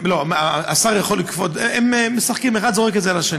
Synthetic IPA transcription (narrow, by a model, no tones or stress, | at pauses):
loaasaʁjaχo̞lːikfodeemːesaχkimeχad̪zoʁeketzealaʃe